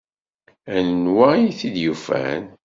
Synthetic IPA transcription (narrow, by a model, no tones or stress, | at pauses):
ænənwæijθid̪jufæ̰n